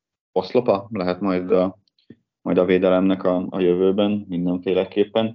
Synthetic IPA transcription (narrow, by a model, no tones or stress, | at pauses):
o̞slo̞pɒlɛɦɛt̪mɒjd̪ɒ | mɒjd̪ɒveːd̪ɛlɛmnɛkɒɒ̰jø̞vøːbɛnmind̪ɛɱfeːlɛkeːpːɛn